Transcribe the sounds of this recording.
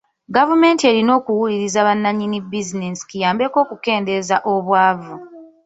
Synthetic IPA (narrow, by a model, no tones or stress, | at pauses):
ɡavume̞ːntie̞ɾino̞ːkuwuliɾizaβanːaɲːinibizinesi̥kujaːmbe̞ko̞ːkuke̞ːnde̞zaʔo̞βwaːvu